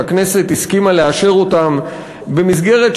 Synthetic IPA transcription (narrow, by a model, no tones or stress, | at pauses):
akne̞se̞t̪iskimaleaʃe̞ʁo̞tam | be̞mis̬ɡe̞ʁe̞t